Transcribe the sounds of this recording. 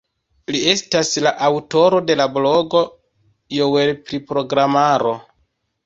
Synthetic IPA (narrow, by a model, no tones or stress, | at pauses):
lie̞staslaʔawto̞ɾo̞de̞lablo̞ɡo̞ | jowe̞lpɾipɾo̞ɡɾamaɾo̞